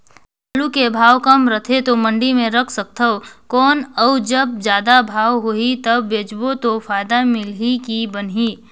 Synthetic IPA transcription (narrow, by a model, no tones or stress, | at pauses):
əlukebʱaːwkɐmɾət̪ʰet̪omə̃ɳɖimẽɾɐkʰsək̚t̪ʰəokɔːnəʊd͡ʒɐb̚d͡ʒjaːd̪abʱaːwɦoit̪ɐbːeːd͡ʒbot̪ofʰaːjd̪amɪlikibənɦiː